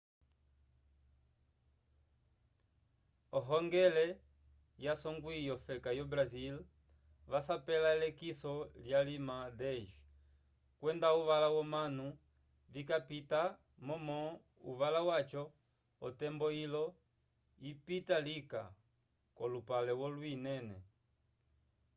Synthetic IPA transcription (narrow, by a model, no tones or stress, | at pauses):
ɔɦɔŋɡɛlɛ | jasɔŋɡwijɔfɛkajɔbɾazil | ʋasapɛlaɛlɛkisɔljalimadɛʃ | kwɛndauʋalawɔmanu | vikapita | mɔmɔ | ṵʋalawat͡ʃɔ | ɔtɛmbɔilɔ | ipitalika | kɔlupalɛwɔlwinɛnɛ